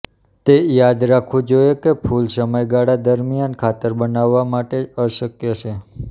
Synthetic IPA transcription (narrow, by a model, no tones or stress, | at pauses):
t̪ejad̪ɾakʰʋũd͡ʒojekepʰulsəməjɡaɽad̪əɾmijankʰat̪əɾbənaʋːamaʈeəʃəkjət͡ʃʰe